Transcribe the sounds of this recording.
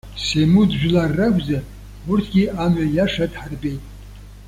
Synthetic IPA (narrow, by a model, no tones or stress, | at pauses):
semudʒᶣlarːaɡʷʼza | wurtʰɡʲiamajaʂadħarbe̞jtʼ